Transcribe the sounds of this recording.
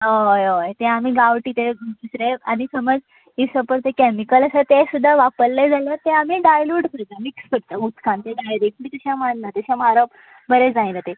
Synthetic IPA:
ojojt̪ɛ̃amiːɡaʋʈiːt̪ed̪usɾeanisəməd͡z | isəpəɾt̪ekɛmikələsat̪esud̪ʱːaʋapəɾled͡zaljat̪ɛ̃amiːɖajluɖkʰəɾt̪amiksfəɽt̪əut̪kʰãnt̪eɖajɾek̚ʈmiːt̪uɕamannat̪eɕamaɾə | bəɾed͡zajnat̪e

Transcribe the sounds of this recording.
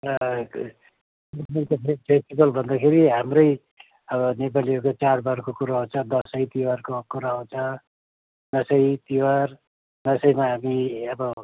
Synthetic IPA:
rʌ | ismentopʰepʰesʈibʌlbʱʌnd̪akʰeɾiɦamrʌj | ʌbʌnepaliʌkot͡sarbarkokuɾaɦũnt͡sʰʌd̪ʌsʌjt̪iwarkokuɾaɦũnt͡sʰʌ | d̪ʌsʌjt̪iwar | d̪ʌsʌjmaɦamiʌbʌ

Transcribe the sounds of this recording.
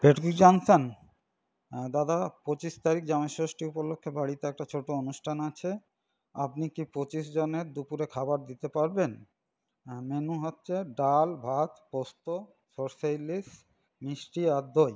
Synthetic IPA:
beʈkud͡ʑɔnson | d̪ad̪apot͡ɕiʃt̪aɾik̚d͡ʑameʃoʃʈiupolokʰːebaɽit̪eɛk̚ʈat͡ɕʰoʈoonuʃʈʰanat͡ɕʰe | a̰pnikipot͡ɕiʃd͡ʑoneɾd̪upuɾekʰabaɾd̪it̪epaɾben | menuɦotːɕʰeɖalbʱat̪post̪o | soɾsajlis | miʃʈiad̪oj

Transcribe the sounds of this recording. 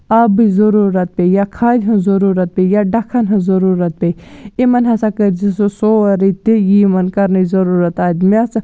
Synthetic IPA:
ɐbizɐɾuːɾɐt̪̚pejakʰaːd̪ʲɦɐ̃zɐɾuːɾɐt̪̚pejaɖɐkʰɐnɦɐ̃zɐɾuːɾɐt̪̚peimɐnɦɐsakɐd͡ʒisosoːɐɾit̪ejimɐnkɐɾnɐzɐɾuːɾɐt̪aːd̪meɐsa

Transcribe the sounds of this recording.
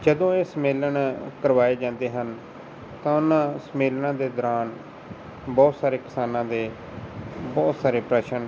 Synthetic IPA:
d͡ʒəd̪õːeːsəmeːləɳkəɾʋaːeːd͡ʒãːnd̪eːɦən | t̪ãːʊnãːsmeːlnãːd̪eːd̪ɔɾaːn | bɔːt̪saːɾeːkɪsaːnãːd̪eː | bɔːt̪saːɾeːpɾɛːʃən

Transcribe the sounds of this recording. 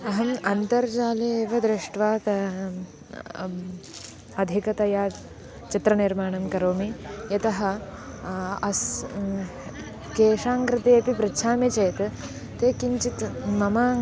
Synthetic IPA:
ɐɦɐmɐnt̪ɐɾd͡ʒaːleʋɐd̪ɾɪʂʈʋaːk̪ɐ | ɐd̪ʱikɐt̪ɐjaː | t͡ʃit̪ɾɐniɾmaːɳɐmkɐɾoːmijɐt̪ɐɦɐ̆ | ɐs | keːʂaːŋkɾɪt̪eːɐpipɾɪtːʃʰaːmit͡ʃeːt̪ | t̪eːkiɲt͡ʃit̪mɐmaː

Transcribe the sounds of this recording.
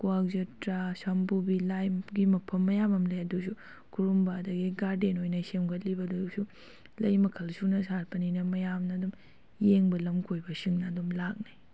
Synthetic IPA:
kuak̚zɐtɾasɐmpubilajɡimɐpʰɐmːɐjamɐmlɐjɐdusu | kʰuɾumbadɐɡiɡaɾdenojnɐsemɡʰɐt̚libɐdusu | lɐjmɐkʰɐlsunɐsaɾpɐninɐmɐjamnɐdum | jeŋbɐlɐmkʰojbɐsiŋnɐːdumlak̚ni

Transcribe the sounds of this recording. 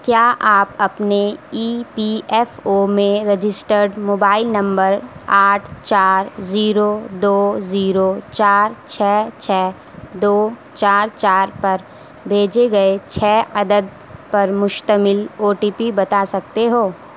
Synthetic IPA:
kjaːʔaːpɐpneiːpiɛːfoːmẽɾed͡ʒɪsʈəɾɖmoːbaːɪlnɐ̃mbəɾaːʈʰt͡ʃaːɾziːɾod̪oːziːɾot͡ʃaːɾt͡ʃʰɛːt͡ʃʰɛː | d̪oːt͡ʃaːɾt͡ʃaːɾpɐɾ | bʱeːd͡ʒeɡɐet͡ʃʰɛːɐd̪əd̪̚ | pɐɾmʊʃt̪əmɪloːʈiːpibɐt̪asɐk̚t̪eɦoː

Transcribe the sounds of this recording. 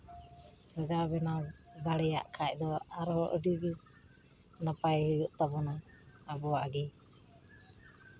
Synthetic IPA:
bɛɡabɛnad̪aɽɛja̰ʔkʰac̚ˀd̪ɔaɾɦɔʔəɖiɡi | napajhujuʔt̪abɔnaː | bɔaʔaɡi

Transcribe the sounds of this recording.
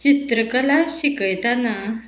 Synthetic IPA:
t͡ɕit̪ɾəkəlaɕikəjt̪ana

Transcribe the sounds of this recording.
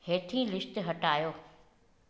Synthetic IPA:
heːt̪ʰĩːlɪʃt̪ɦɐʈaːjoː

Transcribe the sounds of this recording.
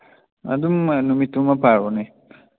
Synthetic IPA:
a̰d̪umnumit̪umɐpaːɾone

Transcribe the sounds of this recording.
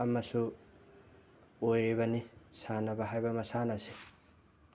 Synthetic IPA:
ɐmːɐsu | ojibɐnisaːnɐbɐɦajbɐmɐsaːnɐsi

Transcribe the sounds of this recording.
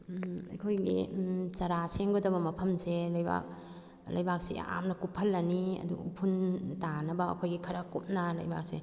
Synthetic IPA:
ɐ̰jkʰojɡḭt͡ʃɐɾaseŋɡodɐbɐmɐpʰɐmselɐjba̰k̚ | lɐ̰jbak̚sḛa̰mnɐkupʰɐlːɐniɐ̰dṵpʰuntanɐbɐɐ̰kʰojɡikʰɐɾɐkup̚nɐlɐ̰jba̰k̚se

